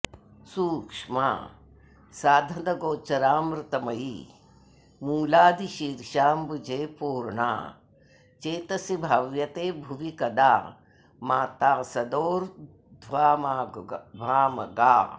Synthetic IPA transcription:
suːkʂma̰ː | saːd̪ʱɐd̪ɐɡoːt͡ʃɐɾaːmɾɪt̪ɐmɐji | muːlaːd̪iʃiːɾʃaːmbud͡ʒeːpuːɾɳa̰ː | t͡ʃeːt̪ɐsibʱaːʋjɐt̪eːbʱuʋikɐd̪a̰ː | maːt̪aːsɐd̪oːɾ | d̪ʱʋaːmadʱaːmɐɡaː

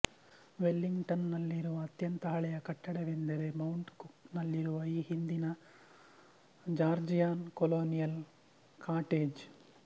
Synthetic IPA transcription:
ʋelːiŋɡʈɐnːɐlːiɾuʋɐːt̪jɐnt̪ɐɦɐɭɛjɐkɐʈːɐɽeʋend̪ɐɾemɐwuɳʈkuknɐlːiɾuʋɐiːhind̪inɐ | d͡ʒaːɾd͡ʒijaːnkoloːnijɐl | kʰaːʈeːd͡ʒ

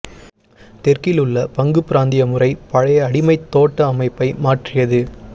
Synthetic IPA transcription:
t̪ɛrkɪlɯɭːɐpɐŋɡɯpɪɾaːnd̪ɪjɐmɯrɐɪpɐɻɐjɐɐɽɪmɐɪt̪ːoːʈːɐːmɐɪpːɐɪmaːʈrɪjɐðɯ

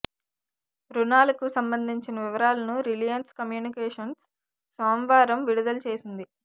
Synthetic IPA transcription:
ɾunaːlɐkusɐmbɐnd̪ʱiɲt͡ʃinɐʋiʋɐɾaːlɐnuɾilijɐnskɐmjuːnikɛːʂɐns | soːmʋaːɾɐmʋiɽud̪ɐlɐt͡ʃe̞ːsind̪i

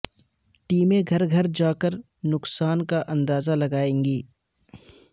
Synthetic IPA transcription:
ʈiːmeɡʱɐɾɡʱɐɾd͡ʒaːkəɾ | nʊksaːnkaʔɐ̃nd̪aːzalɐɡaːẽːŋɡiː

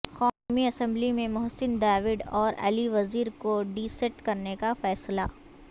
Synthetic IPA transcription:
xaːmiɐsɛ̃mblimẽmʊɦsɪnd̪aːʋɪɖɔːɾɐ̰liʋɐziːɾkoɖiːseʈkɐɾnekafɛːsla

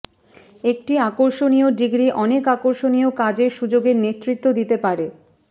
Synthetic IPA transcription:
ek̚ʈiakoɾʃonioɖiɡɾiʔɔnekakoɾʃoniokad͡ʑeɾʃud͡ʑoɡeɾnet̪ːɾit̪ːod̪it̪epaɾe

